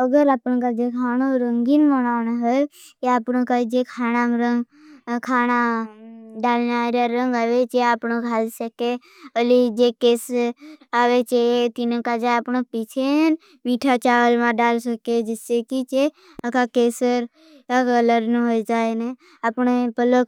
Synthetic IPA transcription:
əɡəɾapnkad͡ʒekʰaːnoɾəŋɡinmənaːnaɦə | keapnokad͡ʒekʰaːnamɾəŋɡ | kʰaːna | ɖaːlnaɾjaɾəŋɡaːʋet͡ʃeapnokaːlsəke | əlid͡ʒekeːsaʋet͡ʃet̪inə̃kad͡ʒaapɳopit͡ʃʰen | miʈʰat͡ʃaːʋəlmãɖaːlsəked͡ʒɪsːekit͡ʃe | əkakeːsəɾ | kakələɾnəɦojd͡ʒaːene | apnepələk

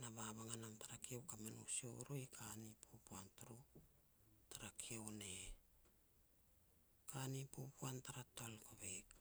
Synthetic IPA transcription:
naβaβaŋanamtaɾakiewkamenṵsioɾojkʰanipʰopuantuɾu | taɾakʰiewne | kanipopuantaɾatolkoβek

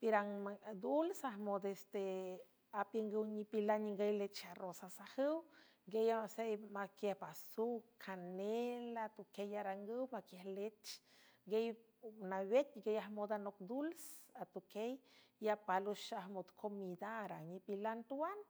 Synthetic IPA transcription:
piɾaŋad̪ulsahmod̪est̪e | apjəŋɡəwɲipilanɲiŋɡejlet͡ʃaɾosasahəw | ɡejaasejmakjehbasukʰanelat̪ukejaɾaŋɡəwmakjehlet͡ʃ | ɡej | nawet̪̚ɡejahmod̪anok̚d̪ulsat̪ukejiapaluʃahmod̪kʰomid̪aɾaɲipilant̪uwan

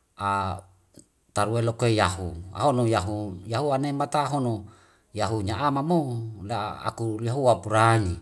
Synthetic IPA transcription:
a | t̪aɾuelokoejaɦua̰ɦonojaɦujaɦuanemat̪aɦono | jaɦuɲaamamola̰a̰kujaɦuapuɾaɲi

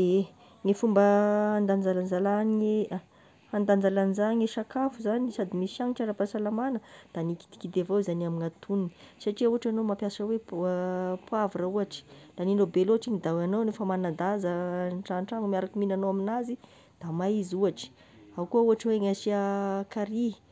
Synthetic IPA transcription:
e | ŋefumbəand̪and͡zaland͡zalanie | and̪and͡zalanizaŋeʃakafuzanisad̪imisaŋiʈ͡ʂaɾapasalamanəd̪̥aniki̥t̪i̥kid̪evazaniamiŋat̪ʰunini̥saʈ͡ʂiauaʈ͡ʂanomapjasəwe | pwavuɾəuaʈ͡ʂi̥laninobeloaʈ͡ʂiŋid̪awanownefəmanad̪azəʈ͡ʂaɳʈ͡ʂaŋmiaɾakiminanowaminazi | d̪̥amajizuaʈ͡ʂi̥ | akuəuaʈ͡ʂəweŋasiakaɾi̥

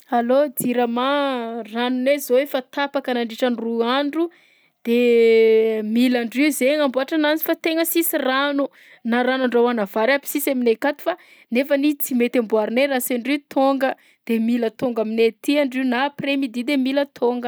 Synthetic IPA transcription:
alod̪iɾamaranunezoefat̪apakənaɳɖ͡ʐiʈ͡ʂaniruaɳɖ͡ʐu | d̪̥e | milaɳɖ͡ʐiuzeŋambuaʈ͡ʂanant͡si̥fat̪eŋəsisiranu | naɾanaɳɖ͡ʐawanavaɾapi̥sisaminekat̪u̥fa | nefənit͡simet̪ambuaɾneɾasaɳɖ͡ʐit̪ʰoŋɡə | d̪̥emilət̪oŋɡaminet̪iaɳɖ͡ʐinapremid̪id̪emilət̪ʰoŋɡə

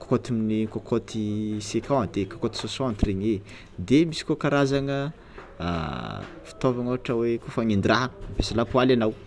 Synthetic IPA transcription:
ko̥kot̪iminikokʰot̪ʰisekʲãat̪ekakot̪i̥sosɔ̃ant̪ireɲe | d̪emisi̥kokaɾazaŋə | a̰ | fi̥t̪ovaŋoaʈ͡ʂəwekufaŋind̪iraɦapesalapualanaw

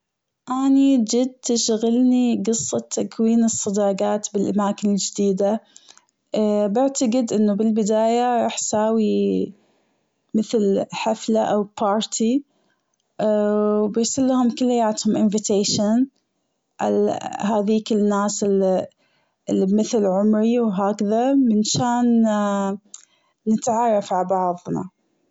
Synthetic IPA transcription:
ʔanid͡ʒɪd̪̚t̪ɪʃɣalniɡɨsˤːɑt̪ʰːakʰwiːnɨsˤːɑd̪ɑːɡɑːt̪bɪlʔamaːkɪnɪld͡ʒɪd̪iːd̪a | bɪʕt̪aɡɪd̪ʔɪnːubɪlbɪd̪aːjaɾˤɑːħsaːwi | mɪθlħaflaʔawpʰɑːɾˤt̪ʰi | bɪɾsalːahʊmkʊlːajːaːt̪hʊmʔɪnvɪt̪eːʃan | ʔahaːðiːkɪnːaːsɪl | ɪlːimɪθlʕʊmɾiwɦaːkaðamɪnʃaːn | ɪt̪ʕɑrˤːɑfʕabɑʕðˤnɑ̰

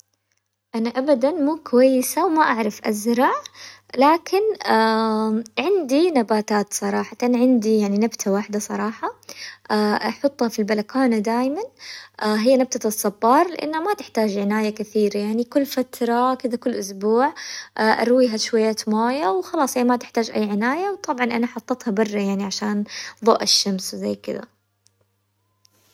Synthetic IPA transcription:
ʔanaʔabad̪anmuːkwajːɪsawmaʔaʕɾˤɑfʔazɾˤɑʕlaːkʰɪna | ʕɪnd̪inabaːt̪aːt̪sˤɑɾˤɑːħɑt̪ɑnʕɪnd̪ijaʕninabt̪ʰawaħd̪asˤɑ̰ɾˤɑːħɑʔaʔɑħʊt̪ˤːhɑfilbalakaːnad̪aːjmanʔaɦɪjːanab̚t̪asˤːɑbːɑːɾˤlɪʔa̰nːhamat̪ɪħt̪aːd͡ʒʕɪnaːjakaθiːɾajaʕnikʊlːfat̪ɾˤɑkɪd̪akʊlːʔʊsbuːʕʔaːʔɑ̰ɾˤwiːɦaʃwajːaːt̪moːjawxɑlɑːsˤhijːamat̪ɪħt̪aːd͡ʒʔa̰jːʕɪnaːjawt̪ˤɑbʕɑnʔanaħɑt̪ˤːɑt̪hɑbɑrˤːɑjaʕniʕaʃaːnðˤo̰ːʔɪʃːamswzajːkɪd̪a̰

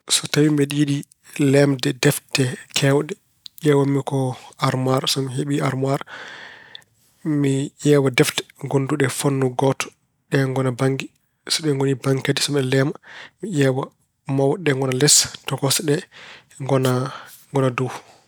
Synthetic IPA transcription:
sɔtawimɛɗiiɗi | lɛmdɛdɛftɛkʰɛwɗɛ | jɛːwamikɔaɾmaɾsɔmiɦeɓiaɾmaɾ | mijɛːwadɛftɛ̥ɡonduɗɛfonːuɡɔtɔ̥ | ɗɛŋɡɔnabaŋɡi | sɔɗɛŋɡonibaŋkedisɔmɗɛlɛmamiʔɛːwa | mawɗɛŋɡɔnalɛstɔkɔsɗɛ | ɡɔna | ŋɡɔnaduw

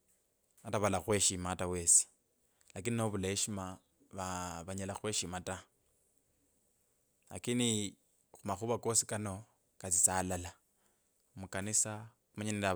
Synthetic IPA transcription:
ataβalaxwe̞ʃimatawe̞si̥ | lakininoβuleʃima | βaβaɲalaxwe̞ːʃimata | la̰kini | xumaxuβako̞sikano̞ | kat͡sit͡salala | mukanisa | umaɲiniɾa

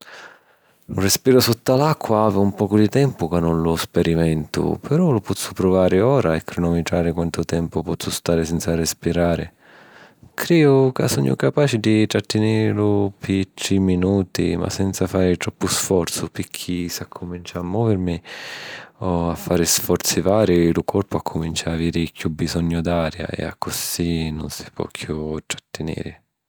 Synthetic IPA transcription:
urɪspiːɾʊsɔt̪ːalakʰːwaaːvɪumpɔːkʊd̪it̪ɛmpʊkanːʊnlʊspɛɾimɛnt̪ʊ̰pɛɾɔlʊpɔt̪sːʊpɾʊvaːɾɪɔːɾaɛkːɾɪnɔmːit̪ɾaːɾɪkwant̪ʊt̪ɛmpʊpɔt̪sːʊst̪aːɾɪsɛnt̪sarɛspiɾaːɾɪ̰ | kɾɛdʊkasɔɲːʊ̰kapaːt͡ʃɪd̪it̪ɾat̪ːɪnɪlʊpɪt̪ɾiminuːt̪ḭma̰sɛnt̪safaːɾɪt̪ɾɔpːʊsfɔrt̪sʊpɪkʰːisakʰːʊmint͡ʃaːmːɔːvɪɾmi | ɔafːaːɾɪsfɔɾt̪sivaːɾilʊkʰɔrpʊakʰːʊmint͡ʃaaviːɾɪkʰjubizɔɲːʊd̪aːɾja̰ḛa̰kʰːʊsinʊ̰nsi̥pwɔ̰kʰjut̪ɾḁt̪ːɪnḭːɾɪ

